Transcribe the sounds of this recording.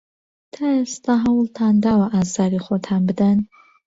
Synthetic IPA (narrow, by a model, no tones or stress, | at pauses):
tʰaːest̪ʰaɦɐwltʰaːnd̪aːwɐʔaːzaːɾiχʷɔtʰaːnbɨdan